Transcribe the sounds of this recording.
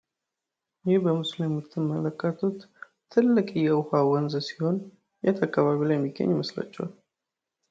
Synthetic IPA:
jɪhbəmɨslimɨt̪ʰːɨmːələkʼːət̪ʰut̪ | t̪ʰːɨlːɨkʼjɛʊhawɔnzəsiho̞n | jɛ̰t̪ʰakʼːaβaβilajmːiɡə̰ɲːməsla̰t͡ʃːɛwa̰l

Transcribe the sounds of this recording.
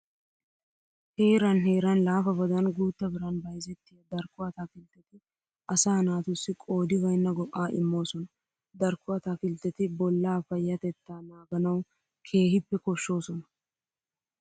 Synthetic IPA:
heːɾɐnɦeːɾɐnlaːfɐbɐd̪ɐnɡuːt̪ːɐbɪɾɐnbɐjzɛt̪ːɪjɐd̪ɐɾkːʊɐt̪aːkɪlt̪ːɛt̪ɪ | ʔɐsaːnaːt̪ʊsːɪkʼo̞ːd̪ɪɡɐjnːɐɡɔʔːaːʔɪ̰mːo̞ːsɔnɐ | d̪ɐɾkːʊɐt̪aːkɪlt̪ːɛt̪ɪbɔlːaːfɐjːɐt̪ɛt̪ːaːnaːɡɐnɐw | kʰe̞ːhɪpːɛkɔʃːo̞ːsɔnɐ

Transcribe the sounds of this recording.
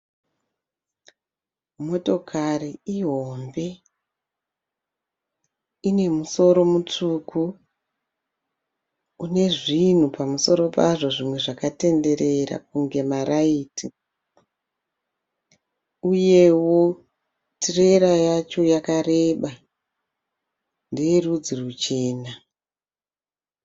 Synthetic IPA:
mo̞to̞kʰariiɦo̞mbe̞ | ine̞muso̞ɾo̞mut͡ʂuku | une̞ʐin̤upamuso̞ɾo̞paʐo̞ʐimwe̞ʐakate̞nde̞ɾe̞ɾa̰k̚uŋɡe̞maɾaiːtʰi | uje̞wo̞ | tire̞ɾajat͡ʃo̞jakare̞ːɓa | ndierud͡zirut͡ʃe̞ːna

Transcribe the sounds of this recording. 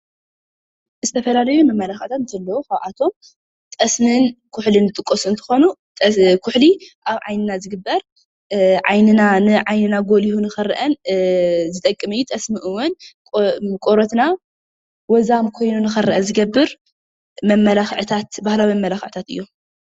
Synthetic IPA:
zɨt̪ʰɐfɐlalɐjumɐmːɐlaxʕt̪ʰat̪nt̪ʰɐlːɐwuxaʕat̪ʰo̞m | t̪ʼɐsnɨnkʰʊħlinɨt̪ʼɨkʼːosuɨnt̪ʰɨ̥xo̞nu | kʰʊħliʔaβʕa̰jnɨnazɨɡɨbːɐɾ | ʕajnɨnanɨʕajnɨnaɡolihunɨxɐɾʔɐn | zɨt̪ʼɐkʼːɨmɐjːut̪ʼɐsmɨʔɨwːʊnʼ | kʼoɾot̪na | wɔzamkʰo̞jnunɨxɐɾɐʔɐzɨɡɐbːɨɾ | mɐmːɐlaxʕt̪ʰat̪bahlawimɐmːɐlaxɨʕɨt̪ʰat̪ɨ̰jːo

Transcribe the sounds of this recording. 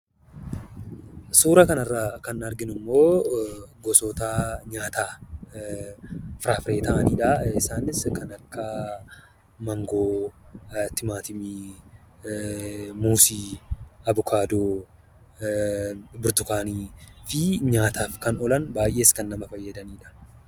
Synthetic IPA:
suːɾɐkɐnɐrːaːkɐnɐɾɡɪnʊmːo̞ː | ɡɔsɔːt̪aːɲaːt̪aː | fɪɾaːfɾe̞ːt̪ɐʔɐniːᶑɐɪsaːnɪskɐnɐkːɐ | mɐŋɡo̞ː | t̪ɪmaːt̪ɪmiː | muːsiːɐbʊkʰaːd̪oː | bʊɾt̪ʊkaːniːfɪɲaːt̪aːfkɐnɔlɐnbaːjʔːe̞ːskɐnːɐmɐfɐjːɐd̪ɐniːᶑɐ̥

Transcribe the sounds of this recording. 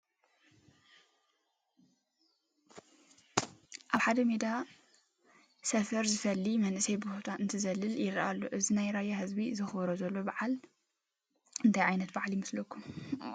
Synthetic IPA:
ʔaβħad̪ɐmed̪a | sɐfɐɾzɨfɐlːimɐnʔɨsɐjbuhut̪ʰaɨnt̪ʰɨzɐlːɨljɪɾɐʔalːoʔɨzinajɾajahɨzbizɨxbɾozɐlːo̞baʕal | ɨnt̪ʰajʕajnɐt̪̚baʕljɪmɨslokʰːum

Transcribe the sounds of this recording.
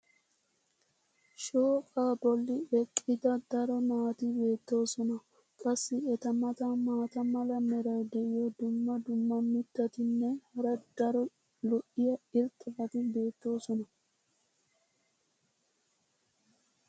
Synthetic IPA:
ʃoːkʼaːbɔlːɪɛkʼːɪd̪ɐd̪ɐɾɔnaːt̪ɪbe̞ːt̪ːo̞ːsɔnɐ | kʼɐsːɪɛt̪ɐmɐt̪ɐmaːt̪ɐmɐlɐmɛɾɐwd̪ɛʔɪjod̪ʊmːɐd̪ʊmːɐmɪt̪ːɐt̪ɪnːɛhɐɾɐd̪ɐɾɔ | lɔʔɪjɐɪɾt̪ʼɐfɐt̪ɪbe̞ːt̪ːo̞ːsɔnɐ

